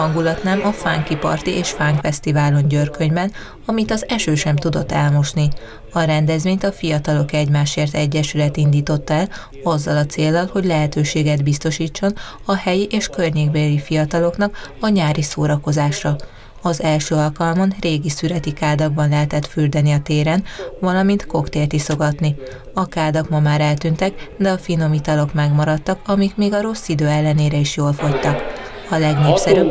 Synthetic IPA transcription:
ɒŋɡulɒt̪naːmʔɒfaːŋkipɒ̰rt̪iʔeːʃfaːŋkfɛst̪ivaːlo̞ɲɟørkø̞ɲbɛn | ɒmit̪ɒzɛʃøːʃɛmt̪ud̪o̞t̪ːɛlmo̞ʃni | ɒɾɛnd̪ɛzvʋeːɲt̪ɒfijɒt̪ɒlo̞kɛɟmaːʃeːrt̪ɛɟːɛʃylɛt̪ind̪iːt̪o̞t̪ːɛl | ɒzːɒlɒt̪seːlːɒlho̞ɟlɛɦɛt̪øːʃeːɡɛd̪bist̪o̞ʃiːt͡ʃːo̞n | ɒhɛjiʔeːʃkørɲeːɡ̚belifijɒt̪ɒlo̞knɒkɒɲaːɾisoːɾɒko̞zaːʃrɒ | ɒzɛlʃøːɒlkɒlmɒnreːɡisyɾɛt̪ikaːd̪ɒɡ̚bɒnlɛɦɛt̪ɛt̪fyrd̪ɛniɒt̪eːɾɛnvɒlɒmint̪ko̞kt̪eːrt̪iso̞ɡɒt̪ni | ɒkaːd̪ɒkmɒmaːɾɛlt̪ynt̪ɛkd̪ɛɒfino̞mit̪ɒlo̞kmɛɡmɒɾɒt̪ːɒkɒmikmeːɡɒɾo̞sːid̪øːɛlːɛneːɾɛiʃjoːlfo̞ct̪ɒk | ɒlɛɡneːpsɛɾyb

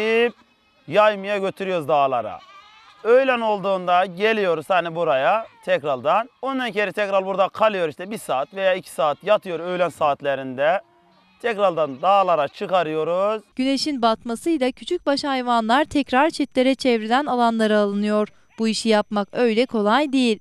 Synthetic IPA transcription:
ip | jajmɯjaɟø̞t̪ʰyɾyjoɾuzd̪aːlˠa̰ɾa̰ | øjlʲæno̞lˠd̪uːnd̪aɟe̞lʲijo̞ɾuz̥hanibuɾajat̪ʰɛkɾald̪anond̪acʰeɾɛt̪ʰɛkɾalʲˠbuɾd̪akʰalˠɯjo̞ɾiʃt̪ʰɛbisaːt̪ve̞jaːicʰi̥saːt̪jat̪ʰɯjo̞ɾø̞jlʲænsaːt̪lʲeɾind̪ɛ | t̪ʰɛcɾaɾd̪and̪aːlˠaɾat͡ʃʰɯkaɾɯjo̞ɾuz̥ɟ̥yne̞ʃinbat̪masɯjlˠacʰyt͡ʃʰyc̚baʃahajvanlˠaɾt̪ʰɛcɾaɾt͡ʃʰɛt̪lʲe̞ɾɛt͡ʃʰɛvɾilʲænalˠanlˠaɾɯːlˠɯnɯjo̞ɾ | b̥uiʃijapmakø̞jlʲɛkʰo̞lˠajd̪ejilʲ

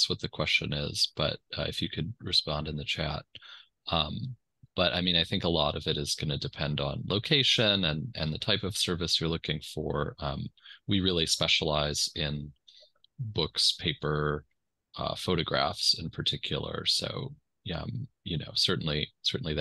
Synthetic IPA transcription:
swʌt̪̚ðɨkʰw̥ɛst͡ʃɨ̰̃nɪ̰z̥b̥ʌ̰t̚ʌ̰ɨ̰fjɨkʰɨd̚ɹɨspɑ̃ndɨ̃nðɨt͡ʃʰæ̰t̚ | ʌ̃m | b̥ʌɾʔa̰ɪmĩnaɪθɪ̃ŋkəlɔɾʌvɨɾɨzɡʌnɨdɨpʰɛ̃ndn̩loʊkʰeɪʃɨ̃nɨ̃nɨ̰̃nðɨtʰaɪpʌv̥sɜ˞vɨsə˞lʊkɪ̃ŋfə˞ʌ̃mwiɹɪlˠispɛʃəlaɪz̥ɪ̃n | bʊkspʰeɪpə˞ | ʌ̰foʊɾɨɡɹæ̰fsɨ̃npʰə˞tʰɪkʰjl̩ˠə̰˞so̰ʊ | jʌ̰̃mjɨno̰ʊsɜ˞ʔn̩lisɜ˞ʔn̩lið

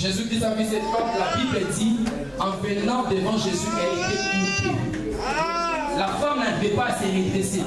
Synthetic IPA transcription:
ʒezyd̪it̪ãvisɛt̪famlabiblɛd̪i | ɑ̃vɛnɑ̃d̪əvɑ̃ʒezyɛet̪eypũ | lafamnɛvɛpaseʁet̪ʁese

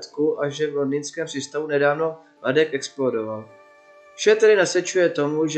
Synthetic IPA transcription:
t̪kuʔaʒɛvlo̞ndɪnskɛːmprsiːst̪avunɛdaːvno̞ | ladɛkʔɛksplodo̞val | fʃɛt̪ɛdɪnasɛt͡ʃujɛt̪o̞muʒ

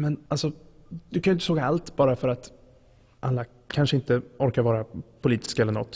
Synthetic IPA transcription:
mɛnalsɔ | d̪̥ɵkʰanʏʏɪt̪əsoːɡaalt̪bɑːɾafœɾat̪ | ʔalːa | kʰanʂəɪnt̪əɔɾkaɾvɑːɾapʰʊliːt̪ɪ̥skaɛlːəɳɔ̰t̪ː

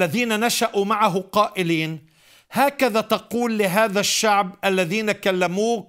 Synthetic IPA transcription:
aðiːnanaʃaʔumaʕaɦʊqɑːʔɪliːn | haːkaðat̪ɑquːlːɪɦaːðaʃːaʕbʔalːaðiːnakalːamuː

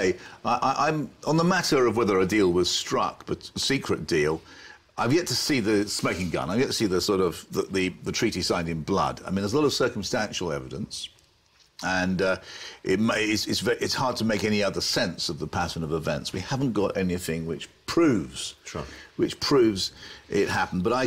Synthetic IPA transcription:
ɪaɪʔaɪʔãɪ̃mə̃nðəmæɾə˞ʌvwɛðə˞ɨdilˠwʌz̥stɹ̥ʌ̰k̚b̥ʌtsikʰɹɨt̚d̥ilˠ | ʔaɪvjɛtʰəsiðɨsmoʊkɪ̃ŋɡʌ̰̃naɪvjɛtʰəsiðɨsɔɹɾʌvðəðɨðɨtʰɹ̥iɾisãɪ̃ndɨ̃nblʌ̰da̰ɪmĩnðəzəlɑɾʌv̥sɜ˞km̩stæ̃nʃl̩ˠɛvɨɾə̃ns | ə̃nʌʔɪt̚mɪtsɪtsvɛʔɪtshɑɹd̚tʰəmeɪkɛniʌðə˞sɛ̃nsʌvðəpʰæsə̃nʌvəvɛ̰̃ntswihævn̩ɡ̥ɑɾʔɛniθɪ̃ŋwɪt͡ʃpʰɹ̥ʉvz̥wɨt͡ʃpʰɹ̥ʉvzɪt̚hæpn̩bʌɾaɪ

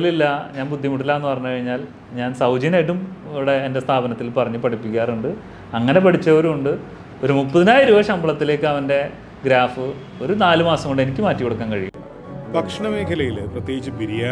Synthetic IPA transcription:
lilːɐɲaːnbud̪ʱːjɐmuʈːilːɐenːɨpɐrɐɲːukɐɻiɲːaːl | ɲaːnsɐwd͡ʑɐneɽumɽeːnde̞st̪ʰaːbɐnɐt̪ːilpɐrɐɲːɨpɐʈʰipːikʲːaːruɳɖɨ | ɐŋːɐne̞pɐʈʰit͡ɕːɐoɾuuɳɖɨ | o̞ɾumupːɐðinaːjiɾuʋɐɕɐmbɐɭɐt̪ːile̞ːkːɨɐʋɐnde̞ | ɡɾaːfɨ | o̞ɾunaːlumaːsɐmoɳɖɨe̞nikʲːɨmaːtːikoɽukːaːnkɐɻijṵɳːɐ | t̪ɐkʂɳɐmeːkʰɐlɐjilprɐt̪ːjeːɡit͡ɕːɨbiɾijaː

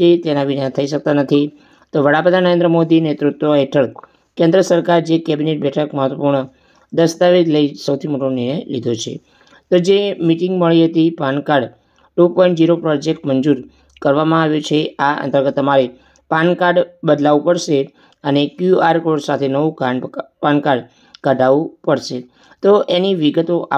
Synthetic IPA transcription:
et̪enaʋinat̪ʰəiʃək̚t̪anət̪ʰi | t̪oʋəɽapɾəd̪ʱanəɾẽnd̪ɾəmod̪inet̪ɾut̪ʋoɦeʈʰəɭ | kẽnd̪ɾəsəɾkaɾd͡ʒekɛbineʈ̚bɛʈʰəkməɦət̪ʋəpuɾɳə | d̪əst̪aʋed͡ʒləisəwt̪ʰimoʈonɪɳ̃ə̃jʋḭd̪ʱot͡ʃʰḛ | t̪od͡ʒemiʈĩŋɡməɭiɦət̪ipankaɾɖ | ʈupɔ̃iɳʈ̚d͡ʒiɾopɾɔd͡ʒekʈməɲd͡ʒuɾ | kəɾʋamãaʋjot͡ʃʰeaə̰nt̪əɾɡət̪ːəmaɾe | pankaɾɖbəd̪laʋupəɽʃe | ənekjuaɾkoɖsat̪ʰenəʋũkapankaɖ | kəɖʱaʋũpəɽʃe | t̪oʔeniʋiɡət̪oʔa

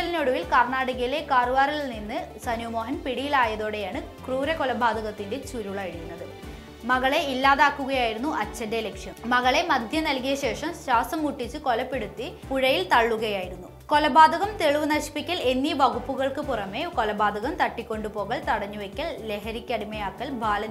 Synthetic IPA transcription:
ɐlinoːɽuʋilkɐrɳaːɽɐɣɐjile̞kaːruʋaːrilninːɨsɐnumo̞ːɦɐnpiɽijilaːjɐðo̞ːɽejaːɳɨkruːɾɐkolɐbʱaːd̪ʱɐɣɐt̪ːinde̞t͡ɕuɾuɭɐɐɽikʲːunːɐðɨ | mɐɣɐɭe̞ilːaːðaːkːuɣɐjaːjiɾunːuʔɐt͡ɕːɐndelekʂjɐmmɐɣɐɭe̞mɐd̪ʱjɐnɐlkijɐɕe̞ːʂɐmɕaːsɐmuʈːit͡ɕːɨko̞lɐpːeɽut̪ːipuɻɐjilt̪ɐɭːuɣɐjaːjiɾunːuko̞lɐbʱaːd̪ʱɐɣɐmt̪eɭuʋɨnɐɕi̥pikʲːɐle̞nːiʋɐɣupːuɣɐɭkɨpurɐme̞ko̞lɐbaːd̪ʱɐɣɐmt̪ɐʈːikʲːo̞ɳɖupo̞ːɣɐɭt̪ɐɽɐɲːuʋekʲːɐlle̞ɦɐɾikʲːɐɽimɐjaːkːɐlbʱaːlɐ

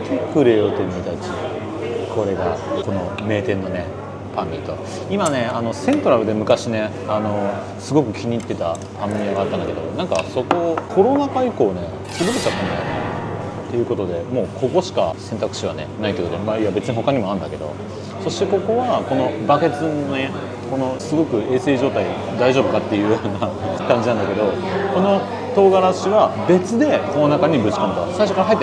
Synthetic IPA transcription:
t̪ʰe̞kɯ̟ɾe̞jot̪emit̪at͡ɕi | kʰo̞ɾe̞ɡako̞nome̞ːt̪ẽ̞nːone | pʰãmːʲit̪o̞̰ | imane̞ano̞sẽ̞nt̪o̞ɾaɾɯ̟d̪e̞mɯ̟kaɕine̞ | ano̞ | sɨɡo̞kɯ̟kʲiɲ̟iːt̪ːe̞t̪a | pãmmʲiaɡat̪ːãnd̪aked̪o̞̰nãŋka̰so̞ko̞kʰo̞ɾo̞nakaiko̞ːne̞ | sɨ̥bɯkɯ̟ɕikapãmʲːijane | t̪ːe̞jɯ̟ko̞t̪o̞d̪e̞mo̞ːkʰo̞ko̞ɕi̥ka̰sent̪akɯ̟̥ɕiβa̰nḛnait̪eikot̪maiβabe̞t͡sɨɲiɦo̞kaɲ̟imo̞aɯ̃nd̪ake̞d̪o̞̰ | so̞ɕi̥t̪e̞ko̞ko̞βako̞no̞bake̞t͡sɨnone | ko̞no̞sɨɡo̞kɯ̟e̞ːse̞ːʑo̞ːt̪aid̪aiʑo̞bɯ̟kat̪ːe̞jɯ̟joːnakãɲd͡ʑinãnd̪ake̞d̪o̞ko̞no̞ | t̪o̞ːɡaɾaɕiβabe̞t͡sɨd̪e̞ko̞nonakaɲ̟ibɯ̟t͡ɕi̥kãnt̪okasaiɕo̞kaɾaɦait̪ː

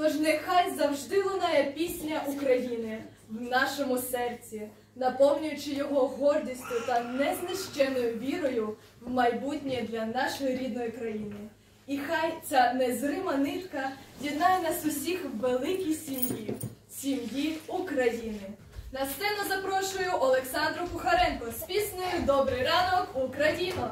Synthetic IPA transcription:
t̪ɔʒnexɑjzɐwʒd̪ɪʋˠɔnɑjɛpʲisʲnʲɐʔukɾɐjinɪ | wnɑʃɔmʊsɛrt͡sʲi | nɐpɔwnʲʊjʊt͡ʃɪjɔɦɔɦɔrdʲisʲtʲʊt̪ɐnɛznɪʃt͡ʃɛnɔjʊʋʲiɾɔjʊ | wmɐjbutʲnʲijd̪lʲɐnɑʃɔjiɾʲid̪̚nɔjikɾɐjinɪ | ixɑjt͡sʲanezrɪmɐnɪt̪kɐjʲid̪nɑjɛnɐzʊsʲixʋelˠɪkʲijsʲimjisʲimjiukɾɐjinɪ | nɐst̪sɛnʊzɐpɾɔʃʊjʊʔɔlˠeksɑnd̪ɾʊkʊxɐɾɛnkɔsʲpʲisnʊjʊd̪ɔbɾɪjɾɑnɔkukɾɐjinʊ

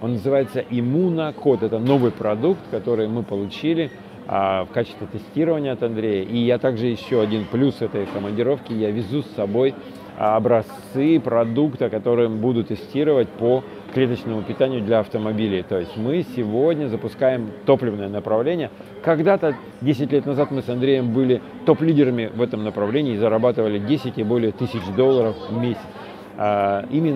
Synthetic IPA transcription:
o̞nːəzɨvajɪt̪səʔɪmunəko̞t̪ɛt̪əno̞vɨjpɾɐd̪ukt̪kɐt̪o̞ɾɨjmɨpəlˠʊt͡ɕilʲɪ | fkat͡ɕɪ̥st̪vʲɪt̪ɨsʲtʲiɾəvənʲɪjəɐt̪ɐnd̪ɾʲejəʔijat̪aɡʐɨjɪɕːoɐdʲinplʲusɛt̪əjkəmənʲdʲɪɾo̞fkʲɪjavʲɪzusːɐbo̞j | ɐbɾɐst̪sɨpɾɐd̪ukt̪əkɐt̪o̞ɾɨjmbud̪ʊt̪ːɨsʲtʲiɾəvət̚ʲpo | klʲe̞t̪ət͡ɕnəmʊpʲɪt̪anʲɪjʊd̪lʲɐɐft̪əmɐbʲilʲɪt̪o̞jɪsʲtʲmɨsʲɪvo̞dʲnʲəzəpʊskajɪmt̪o̞plʲɪvnəjənəpɾɐvlʲenʲɪjə | kɐɡd̪at̪ə | dʲesʲɪtʲlʲet̪nɐzat̪mɨsɐnd̪ɾʲejɪmbɨlʲɪ | t̪o̞plʲidʲɪɾəmʲɪvɛt̪əmnəpɾɐvlʲenʲɪːzəɾɐbat̪ɨvəlʲɪdʲesʲɪtʲɪbo̞lʲɪjət̪ɨsʲɪt͡ɕd̪o̞lˠːəɾəfvmʲesʲɪ̥t̪s | aimʲɪn

